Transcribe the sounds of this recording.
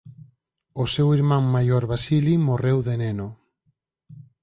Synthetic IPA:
osewiɾmamːajoɾβasilimorewðeneno

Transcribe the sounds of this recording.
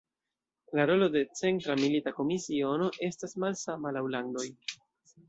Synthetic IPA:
laɾo̞lo̞de̞t͡se̞ntɾamilitako̞misio̞no̞ʔe̞stasmalsamalawlaŋdo̞j

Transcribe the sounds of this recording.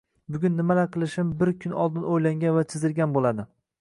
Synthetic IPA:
bʊɡʲʊnːɪmalaqʰɨlˠɪʃɪmbɪɾkʲʰʊnɒ̰lˠd̪ɪnojlaŋɡʲanvat͡ʃʰɪzɪɾɡʲanbolad̪ɪ

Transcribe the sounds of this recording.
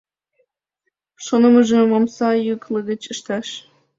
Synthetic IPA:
ʃonoməʒə̆momsɑjukləɣə̆t͡ɕə̆ʃt̪ɑʃ

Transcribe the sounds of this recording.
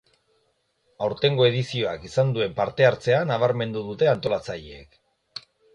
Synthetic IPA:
awɾt̪e̞ŋɡo̞e̞ð̞isio̞akisand̪ue̞mpaɾt̪e̞aɾt͡se̞anaβ̞aɾme̞nd̪uðut̪e̞ant̪o̞lat͡saʎeḛk

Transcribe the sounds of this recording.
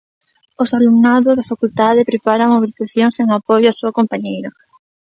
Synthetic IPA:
ʊsalumnaðʊzðafakult̪aðɪpɾepaɾaŋmoβiliθaθjoŋseŋapojoasuɐkompaɲejɾɐ

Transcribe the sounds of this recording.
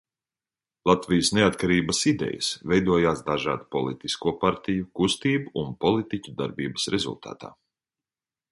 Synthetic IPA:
lˠat̪vijəsneat̪kaɾiːbɐsid̪ɛ̰jɐ̰svɛjd̪uɔjaːsd̪aʒa̰ːd̪upɔlˠit̪iskuɔpaɾt̪ijukust̪iːbuunpɔlˠit̪icʲud̪aɾbiːbə̥sɾɛzṵlˠt̪a̰ːt̪a̰ː

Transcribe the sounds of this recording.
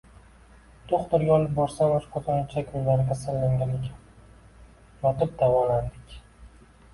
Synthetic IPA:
t̪ʰoχt̪ɪɾɡʲaɒlˠɪp̚bɒɾsamaʃpʰɒt̪ʰɒnt͡ʃʰakʲʰʊnlaɾɪkʲʰasallːaŋɡʲane̞kʲʰan | jɒt̪ɪp̚d̪avɒland̪ɪkʲ

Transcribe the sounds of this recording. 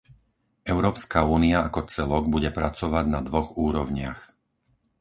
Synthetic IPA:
ɛʊɾɔːpskauːniaakɔt͡sɛlɔɡ̚buɟɛpɾat͡sɔʋaɟnad̪ʋɔɣuːɾɔʊɲɪax

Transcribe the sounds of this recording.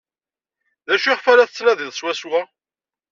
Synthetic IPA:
ðæʃiχfæɾæθət͡sːnæðiðˤswæswæ

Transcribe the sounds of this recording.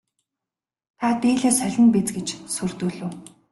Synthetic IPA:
t̪ʰat̪eːɮeːsœɮʲɪ̆npet͡sɡet͡ɕsurt̪uːɮɘ̆ː

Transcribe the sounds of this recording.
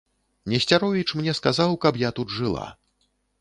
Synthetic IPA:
nʲɛsʲt͡sʲaɾɔvʲit͡ʂmnʲɛskazawkɐpjat̪ud̪ʐɨlˠa̰

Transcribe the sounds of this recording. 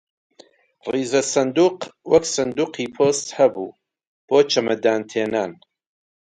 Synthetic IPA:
riːzɐsɐnd̪uːqwɐksɐnd̪uːqʰiːpʰoːst̪hɐbuː | b̥oːt͡ʃʰɐmɐd̪aːnt̪ʰeːnaːn

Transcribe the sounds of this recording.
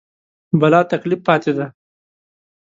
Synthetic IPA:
bɐlɑt̪aklifːɑːt̪ed̪a

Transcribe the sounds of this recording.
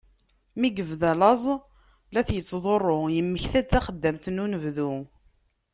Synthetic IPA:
miɡəvðælɑzˤ | læθjət͡sːðˤorˤːojəmːəçθæd̪θæχəd̪ːəmt̪nːunəvðu

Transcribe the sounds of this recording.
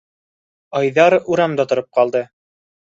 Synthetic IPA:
ɑjðɑɾuɾɑmd̪ɑt̪ŏɾɤp̚qɑlˠd̪ɤ

